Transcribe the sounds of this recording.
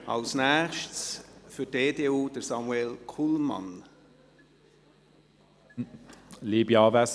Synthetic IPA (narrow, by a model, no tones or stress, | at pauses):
ɑ̰lsnæːʃtsfʏdeːdeːuːd̥əsɑmwɛlkʰulmɑ̰n | liːbjɑvɛs